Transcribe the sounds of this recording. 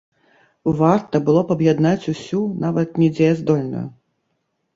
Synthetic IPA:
vart̪ɐbɨlˠɔpɐbjad̪nat͡sʲusʲunavɐt̪nʲɛd͡zʲɛjɐzd̪ɔlʲnṵjṵ

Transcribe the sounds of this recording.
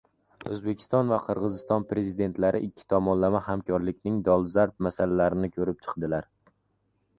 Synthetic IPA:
ɵzbe̞kʲʰɪ̥st̪ɒnvaqʰɨɾʁɨzɪst̪ɒnpɾe̞zid̪e̞nt̪laɾɪʔɪkʲʰːɪ̥t̪ʰɒmɒnlamahamkʰɒɾlɪkʲnɪŋd̪ɒlˠzaɾp̚masalalaɾɪnɪkʰɵɾɪp̚t͡ʃʰɨ̥qd̪ɪlaɾ

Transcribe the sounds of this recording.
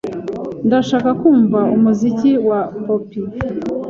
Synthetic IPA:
ndaʃaːkakuːɱvaumuziciwapopi

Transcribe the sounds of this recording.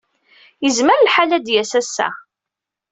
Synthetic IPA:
jəzməɾlħalæd̪jæsæsːæ̰

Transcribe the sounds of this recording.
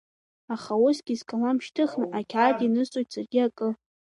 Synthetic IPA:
aχaʊsɡʲizkʼalamʃtʰɨχnɨʔakʲʰʕadʼinɨzt͡sʼojtʰsarɡʲiakʼɨ

